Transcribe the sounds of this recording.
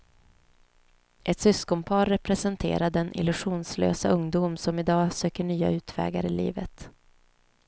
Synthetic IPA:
ʔɛt̪sʏskɔmpʰɑːɾɛpɾɛsɛnt̪ʰḛːɾad̪ɛnʔɪ̰lɵɧuːnslø̰ːsaɵŋd̪uːmsɔmɪd̪ɑːsøːkəɳyːa̰ʉ̟ːt̪ʰvɛ̰ːɡaɾɪlḭːvət̪

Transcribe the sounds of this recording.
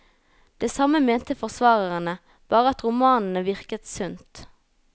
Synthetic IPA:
d̪̥eːsɑməmeːnt̪əfɔʁsʋɑːʁəʁənə | b̥ɑːʁəɑt̪ʁʊmɑːnn̩əʋɪʁkət̪sʉnt̪

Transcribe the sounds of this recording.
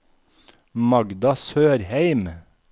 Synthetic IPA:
mɑɡd̪ɑsøːɾheɪm

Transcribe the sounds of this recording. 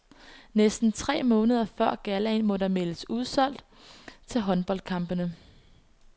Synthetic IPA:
nesd̥n̩t͡sʰʁɛ̰ːmɔ̽ːnəð̞ˠɐfɶɐ̰ɡ̥ælɛnmɔ̽ɾɑ̈me̝ləsuð̞ˠsɒ̽l̰d̥ | t͡sʰe̝lɦɒ̽nb̥ɒ̽l̰d̥̚kʰɑ̈mb̥ənə

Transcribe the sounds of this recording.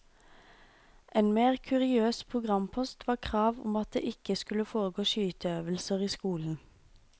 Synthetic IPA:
ʔeːnmeːʁkʰʉʁɪøːspʰʁʊɡʁɑmpʰɔst̪ʋɑːʁkʰʁɑːʋʊ̰mɑt̪̚d̪ḛːʔɪkəskʉləfoːʁəɡoːʃyːt̪əøːʋəlsəʁiːskuːln̩

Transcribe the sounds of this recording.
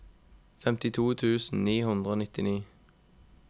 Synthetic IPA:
fɛmt̪ɪt̪ʰuːt̪ʰʉːsn̩niːhʉnd̪ʁəoːnɪt̪ɪniː

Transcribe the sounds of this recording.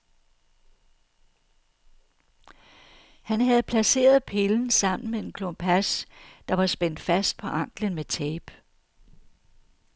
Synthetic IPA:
hænɦæð̞̩ˠpʰlæse̝̰ːɐð̞̩ˠpʰe̝ln̩sɑ̈m̰n̩mee̝nkʰlompʰæsd̥ɑ̈ʋɑ̈sb̥en̰d̥fæsd̥̚pʰɒ̽ʔɑ̈ŋ̰ɡ̥lənmet͡sʰɛːb̥

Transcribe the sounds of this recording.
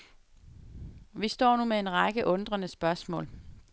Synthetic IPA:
ʋisd̥ɒ̰ːnumee̝nʁɑ̈ɡ̥əʔɔ̽nd̥ʁɐnəsb̥ɶɐsmɔ̰̽ːl

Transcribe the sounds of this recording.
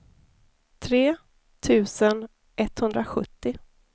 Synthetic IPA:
t̪ʰɾeː | t̪ʰʉ̟ːsən | ʔɛt̪hɵnd̪ɾaɧɵ̰t̪ːɪ

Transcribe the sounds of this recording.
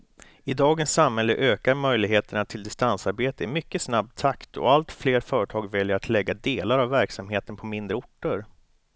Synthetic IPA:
ɪd̪ɑːɡənsːamhɛlːəʔøːkaɾmœjlɪɡɦeːt̪əɳat̪ʰɪld̪ɪst̪ansaɾbeːt̪əɛmʏkːəsnab̚t̪ʰakt̪ʰɔ̰alt̪fleːɾfœːɾəʈʰɑːɡvɛljəɾat̪ʰlɛɡːad̪eːlaɾavːæɾksamheːt̪ənpʰɔmɪnd̪ɾəʊʈːəɾ

